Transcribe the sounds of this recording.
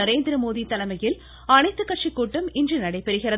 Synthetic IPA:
ɐɾeːnd̪ɪɾɐmoːðit̪ɐlɐmɐjɪl | ɐnɐɪt̪ːɯkːɐʈ̚t͡ʃikːuːʈːɯmɪndrinɐɽɐɪpːɛɾɯɣɪɾɐ

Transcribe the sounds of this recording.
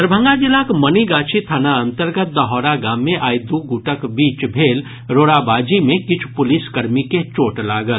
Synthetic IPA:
əɾbʱə̃ŋɡad͡ʒɪlaːkmɐniɡaːt͡ʃʰit̪ʰanaɐ̃nt̪əɾɡət̪̚d̪ɐɦɔːɾaɡaːmːẽʔaːjd̪uɡuʈəkbiːt͡ʃbʱeːl | ɾoːɽabaːd͡ʒimẽkɪt͡ʃʰu̥pʊlɪskɐɾmiket͡ʃoːʈlaːɡəl

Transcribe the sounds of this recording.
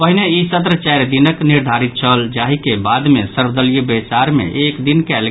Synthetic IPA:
pəɦineisət̪̬ɾət͡ʃɛɾd̪inəkniɾd̪ʱaɾit̪̚t͡ʃʰəld͡ʒaɦikebad̪mesəɾbd̪əlijəbesaɾmḛʔekd̪inkɛl

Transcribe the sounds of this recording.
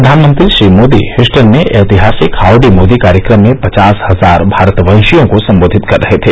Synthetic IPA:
ɾɐd̪ʱaːnmə̃nt̪ɾiʃɾiːmoːd̪ḭhɪsʈənmeʔɛːt̪ɪɦaːsɪkaːwɖimoːd̪ikaːɾjəkɾəmːẽpɐt͡ʃaːshɐzaːɾbʱaːɾt̪ʋə̃ːʃijõkosɐ̃mboːd̪ʱɪt̪kɐɾːɐɦet̪ʰeː

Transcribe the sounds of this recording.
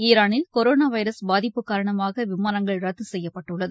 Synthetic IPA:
iːɾaːnɯkɔɾoːnaːʋɐɪɾɐsbaːðɪpːɯkːaːɾɐɳɐmaːɣɐʋɪmaːnɐŋɡɐɭɾɐt̪ːɯsɛjːɐpːɐʈːɯɭːɐðɯ

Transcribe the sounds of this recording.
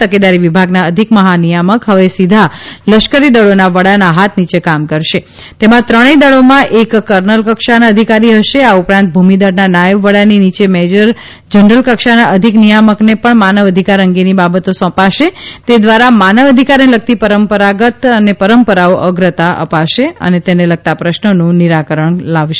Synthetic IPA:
t̪əked̪aɾiʋibʱaɡnaəd̪ʱikməɦanijaməkɦəʋesid̪ʱaləʃkəɾid̪əɭonaʋəɽanaɦat̪ʰnit͡ʃekamkəɾʃe | t̪emãt̪ɾəɽ̃ed̪əɭomãʔekːəɾnəlkəkʃanaəd̪ʱikaɾiɦəʃeaupɾãnt̪̚bʱumid̪əɾnanajəʋʋəɽaninit͡ʃemɛd͡ʒəɾ | d͡ʒəɳɾəlkəkʃanaʔəd̪ʱiknijaməknepəɳmanəʋəd̪ʱikaɾəŋɡenibabət̪osɔ̃paʃet̪ed̪ʋaɾamanəʋəd̪ʱikaɾnelək̚t̪ipəɾəmpəɾaɡət̪ənepəɾəmpəɾaoʔəɡɾət̪aʔə̰paʃeə̰net̪eneləɡ̚t̪apɾəʃnənũniɾakəɾəɳlaʋʃe

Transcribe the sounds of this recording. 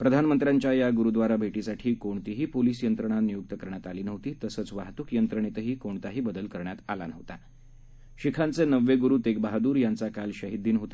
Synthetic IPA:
pɾəd̪ʱanmənt̪ɾjaɲt͡ɕjajaɡuɾud̪ʋaɾabʱeʈisaʈʰiːkoɳt̪iɦiːpoliːsjənt̪ɾəɳ̃anijuk̚t̪əkəɾɳjat̪aliːnəʋt̪iːt̪əsəːt͡sʋaɦt̪uːkjənt̪ɾəɳ̃et̪əɦiːkoɳt̪aɦiːbəd̪əlkəɾɳjat̪a̰la̰nə̰ʋt̪a | ɕikʰãnt͡senəʋːeɡuɾuːt̪ek̚baɦad̪uːɾjant͡sakalɕəɦid̪ːiːnɦot̪a

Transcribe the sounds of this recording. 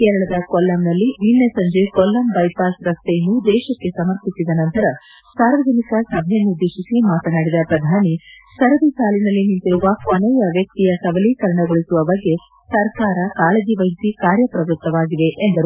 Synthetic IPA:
keːɾɐɭɐd̪ɐkɔlːɐmnɐlːininːesɐɲd͡ʒekɔlːɐmbɐjpaːsɾɐst̪ejɐnːud̪ɛːʃɐkːe̞sɐmɐɾp̪ʰisid̪ɐnɐnt̪ɐɾɐ | saːɾʋɐd͡ʒɐnikɐsɐbʱɛjɐnːud̪ːeːʃisimaːt̪ɐnaːɽid̪ɐpɾɐd̪ʱaːnisɐɾɐd̪isaːlinɐlːinint̪iɾuʋɐkɔnɛjɐʋjɐk̚t̪ijɐsɐbɐlikɐɾɐɳɐɡoɭisuʋɐbɐɡːe̞ | sɐɾkaːɾɐkaːleɐd͡ʒiʋɐɦisikaːɾjɐpɾɐʋɾut̪ːɐʋaːɡiʋe̞ʔːnd̪ɐɾu

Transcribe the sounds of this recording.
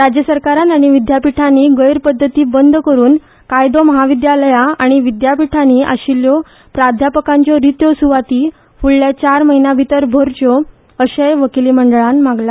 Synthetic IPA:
ɾad͡ʑjəsəɾkaɾat̪aɽ̃iʋid̪japiʈʰanːiːɡəjɾpəd̪ʱːət̪iːbənd̪ʱkəɾuːn | kajd̪ɔməɦaʋid̪jaləjaaɽ̃iʋid̪japiʈʰaniʔa̰ɕiljɔ | pɾad̪ʱjapəkãɲt͡ɕɔɾit̪jɔsuʋat̪iː | fuɭːjat͡ɕaɾməɦinjabʱit̪əɾbʱoɾt͡ɕɔ | əɕəjʋəkiliməɳɖəɭanmaɡla

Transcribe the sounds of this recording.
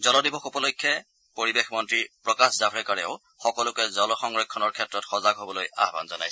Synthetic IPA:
zɔlɔdibɔxupɔlojkʰːjɛ | poɹibexmɔntɹipɹɔkaszabʰɹɛkaɹɛʊ | xɔkɔlʊkɛzɔlɔxɔŋɹɔjkʰːɔnɔɹkʰɛtɹɔtxɔzaɡɦobɔloja̰ɦba̰nzɔna̰jsɔ

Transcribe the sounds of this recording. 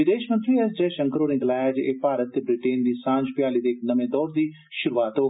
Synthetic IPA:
ʋɪd̪eːʃmə̃nt̪ɾiːɛsd͡ʒɛːʃə̃ŋkəɾoːneːɡəlaːjaːd͡ʒeːpaːɾət̪ːeːbɾɪʈeːnd̪iːsãːɲd͡ʒpɪjaːliːd̪eːknəmẽːd̪ɔːɾd̪iː | ʃʊɾuːaːt̪ɦoː

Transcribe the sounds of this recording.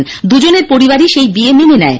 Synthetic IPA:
nd̪ud͡ʑoneɾpoɾibaɾiʃejbiememenɛe

